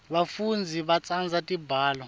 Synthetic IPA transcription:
βafund͡zʱiβat͡sʼand͡zʱatʼibʱaːlɔ

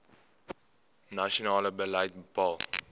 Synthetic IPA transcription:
naʃonɑːləbəlɛjt̚bəpɑːlˠ

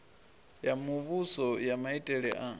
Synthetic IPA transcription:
jamuβusɔjamaitʼɛɺɛ̰ʔa

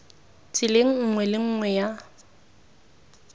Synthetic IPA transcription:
t͡sʼɪleŋ̩ŋ̩ŋwɛlɪŋ̩ŋwɛja

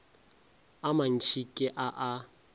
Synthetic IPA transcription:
aman̩t͡ʃʰʼikʼɪʔaʔa

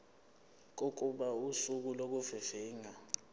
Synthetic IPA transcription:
k̬ok̬ʼuɓausuk̬ulok̬ufifiːŋa

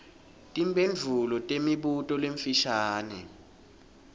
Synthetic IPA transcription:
tʼimbʱʼend͡ɮʱulɔtʼemiɓutʼɔleɱfiʃaːnɛ̰

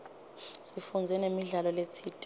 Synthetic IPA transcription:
sifund͡zʱɛnemiɮalɔlet͡sʰiːtʼ

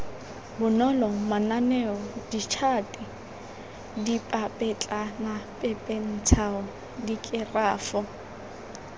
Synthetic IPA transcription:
bʊnɔlɔmananɛɔdit͡ʃʰatʼɪ | dipʼapʼɛt͡ɬʼanapʼɛpʼen̩t͡sʰaɔ | dikʼɪraːfɔ

